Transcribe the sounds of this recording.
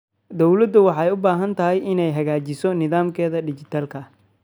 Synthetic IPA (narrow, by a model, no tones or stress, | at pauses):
d̪ɔwlɐd̪ʊwɑħɑjʊbaːɦɐnt̪ʰɐɦɛjɪnɛjɦɐɣaːt͡ʃɪsɔnɪðaːmkʰɛːðɐɖɪt͡ʃɪt̪ʰaːlkʰɐ